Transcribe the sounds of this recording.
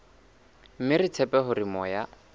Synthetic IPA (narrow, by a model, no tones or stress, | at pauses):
m̩mɪrɪt͡sʰɛpʼɛɦʊrɪmɔːja